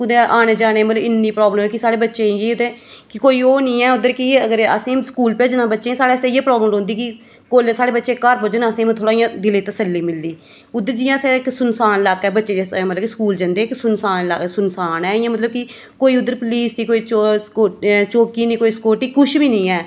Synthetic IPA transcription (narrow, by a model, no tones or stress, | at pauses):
ʊd̪eʔaːneːd͡ʒaːneːmət̪ləbɪnːiːpɾoːbləmɛːkɪsaːɽeːbətːʃẽːeːʊd̪eːkɪkoːiːoːnĩːɛːʊd̪ːəɾkɪəɡəɾə̰sẽːmskuːlpaːd͡ʒɪnãːbətːʃẽːsaːɽeːseːjeːpɾɔːbləmɾõːnd̪iːkɪ | koːlesaːɽeːbətːʃeːkəɾpoːd͡ʒənaəsẽːm̃t̪ʰoːɽãːijãːd̪ɪleːt̪əsəlːiːmɪld̪iː | ʊd̪ːəɾd͡ʒɪjãːsẽːɪksʊnsaːnlakːɛːbətːʃeːd͡ʒsmət̪ləbkiskuːld͡ʒə̃nd̪eːksʊnsaːnlasʊnsaːnɛːɪjãːmət̪ləb̚kɪ | koːiːʊd̪ːəɾpliːsnĩːkoːiːt͡ʃoot͡ʃoːkiːnĩːkoːiːskoːʈiːkʊʃbiːnĩːɛː